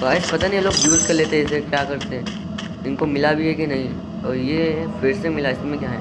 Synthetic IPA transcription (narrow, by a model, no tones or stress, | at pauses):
t̪oɐɪspɐt̪anijeloːɡjuːzkɐɾleːt̪eɦɛɪsɦɛkjaːkɐɾt̪eɦɛ̃ | ɪnkomɪlabʱiɦɛkinɐɦĩ | ɔːɾjefɪɾsemɪlaɪsmẽkjaːɦɛː